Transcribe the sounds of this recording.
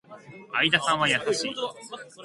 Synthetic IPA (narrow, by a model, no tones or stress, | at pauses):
aid̪asãɰ̃βajasaɕḭː